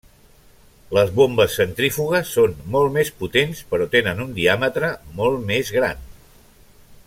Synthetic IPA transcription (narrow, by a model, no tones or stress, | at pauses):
ləzβombəsːənt̪ɾifuɣ̞əsːonːolˠmesput̪enspəɾɔt̪enənund̪iamət̪ɾəmɔlˠmezɣɾa̰n